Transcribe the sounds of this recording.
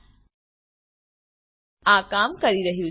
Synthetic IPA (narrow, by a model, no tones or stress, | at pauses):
aːkaːmkɐɾiɾɐɦju